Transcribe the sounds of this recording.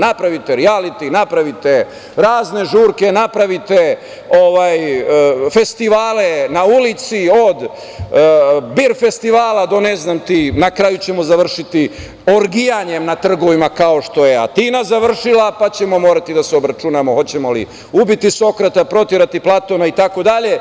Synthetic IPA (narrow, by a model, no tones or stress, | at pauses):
napɾaʋit̪eɾialit̪inapɾaʋit̪e | ɾaːzne̞ʒuːɾke̞napɾaʋit̪e | oʋaːj | fe̞st̪iʋaːlenaulit̪sio̞d̪ | biɾfe̞st̪iʋaːlad̪o̞neznamt̪inakɾaːjut͡ɕe̞mo̞zaʋr̩ʃit̪i | o̞ɾɡijaɲe̞mnat̪r̩ɡo̞ʋimakao̞ʃt̪o̞jeat̪iːnazaʋr̩ʃilapat͡ɕe̞mo̞mo̞ːɾat̪id̪aseobɾat͡ʃunamo̞ho̞t͡ɕe̞mo̞lḭ | ubit̪iso̞kɾat̪apɾo̞t̪iɾat̪iplˠat̪o̞nait̪ako̞d̪aʎe̞